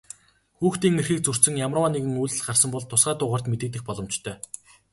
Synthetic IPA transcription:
xuːxt̪iːŋerxiːk̚t͡sur̥t͡sɘ̆ŋjamraːneɣɘ̆ŋujɮɘ̆ɮɢarsə̆mpɔɮt̪ʰːʊsɢaːt̪ʊːʁaːr̥t̪met̪ĕːt̪ɘ̆xpɔɮɞ̆mt͡ɕt̪ʰœː

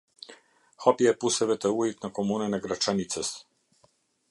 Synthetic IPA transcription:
xɔpiɛpusɛvɛt̪ɛujit̪nakomunanaɡɾat͡ʃanit̪sɛs

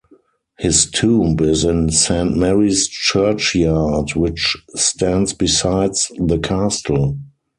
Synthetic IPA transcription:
hɪstʰũːmbɪzɪ̃nsæ̃ntmɛɹist͡ʃɜ˞t͡ʃjadwɪt͡ʃstʰæ̃ndsbisaɪdsðəkʰastl̩

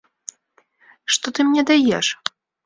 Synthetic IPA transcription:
ʂt̪ɔt̪ɨmnʲɛd̪ajɛʂ

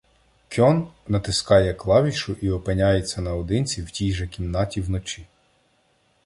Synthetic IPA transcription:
kʲɔnːɐt̪ɪskɑjɛklˠɑʋʲiʃʊʔiɔpenʲajet͡sʲːɐnɐɔd̪ɪnʲt͡sʲiwtʲijʒɛkʲimnɑtʲiwnɔt͡ʃʲi

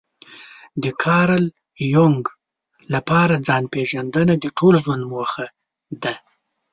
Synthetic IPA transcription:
d̪əkʰɑɾal | joŋɡ | lapɑɾad͡zɑnpeʒand̪ənad̪əʈʰolzwand̪moxa | d̪a

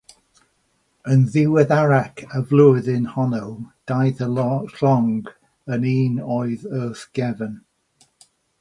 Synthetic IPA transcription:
ənðɪwɛðaɹakʰəvlʊðɪnhɔnəwd̥ajðəɬɔŋɡ | əniːnɔɪðɜːθɡ̥ɛvən

